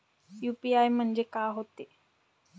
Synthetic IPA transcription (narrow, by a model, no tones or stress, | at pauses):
juːpiajmɐɲd͡ʒekaːɦot̪ːi